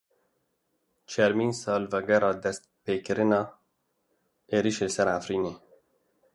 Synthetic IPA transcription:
t͡ʃʰɛɾmiːnsɑːlvɛɡɛɾɑːd̪ɛst̪̚peːkɨɾɪnɑː | eːɾiʃelɨsɛɾafɾiːneː

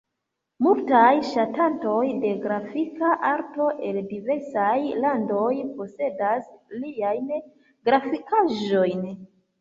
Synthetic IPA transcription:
multajʃatanto̞jde̞ɡɾafikaʔaɾto̞ʔe̞ldive̞ɾsajlando̞jpo̞se̞dasliajn | ɡɾafikaʒo̞jn

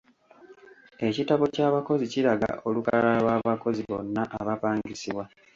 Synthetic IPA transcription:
e̞citaβo̞caːβako̞ziciɾaɡa̰ʔo̞luka̰lalwaːβako̞ziβo̞nːaʔaβapaːŋɡisiβwa

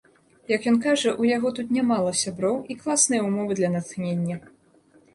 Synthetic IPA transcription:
jɐkjɔnkaʐɐʔujaɣɔt̪ut̪nʲamalˠɐsʲabɾɔwʔiklˠasnɨjɐumɔvɨd̪lʲɐnɐt̪xnʲenʲːɐ

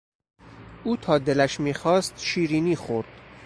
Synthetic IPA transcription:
ʔuːt̪ʰɒːd̪e̞læʃmiːxɒːst̪ʃiːɾiːniːxoɾd̪̥

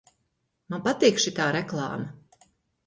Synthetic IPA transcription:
manpat̪iːkʃit̪aːɾɛklˠɑ̰ːma

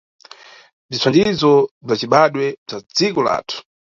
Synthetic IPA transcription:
b͡ʐit͡sʰwandizɔb͡ʐat͡ʃiɓaɗwɛb͡ʐad͡zikɔla̰ːtʰu̥

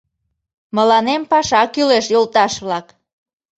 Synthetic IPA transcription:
məlɑnempɑʃɑkyleʃjolt̪ɑʃβlɑk

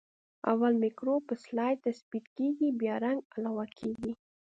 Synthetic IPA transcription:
a̰walmɪkɾopəslɑjt̪asbit̪keɡibjɑɾaŋɡalawakʰeɡi

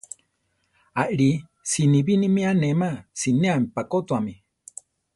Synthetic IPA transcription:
aʔiɾi | siniβinĩmĩanẽmãsinẽamipakot̪uamĩ

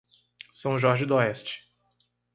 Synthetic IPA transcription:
sɐ̃w̃ʒɔɾʒɪd̪ɔɛst͡ʃɪ̥

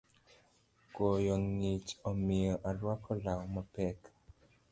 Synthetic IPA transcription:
kojɔŋit͡ʃɔmɪɔʔalwakʰɔlawɔmapɛk

